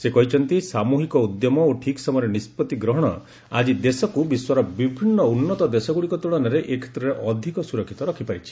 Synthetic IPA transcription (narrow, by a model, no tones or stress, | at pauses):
sekɔɦit͡ʃʰɔnt̪isamuɦikɔud̪jɔmɔoʈʰiksɔmɔɔɾɔnispɔt̪iɡɾɔɦɔɽ̃ɔ̰ | a̰d͡ʒid̪esɔkubiswɔɾɔbibʱinːɔunːɔt̪ɔd̪esɔɡuɽikɔt̪uɭɔnɔɾeʔekʰe̥t̪ɾɔɾeʔɔd̪ʱikɔsuɾɔkʰːi̥t̪ɔɾɔkʰipaɾit͡ʃʰi̥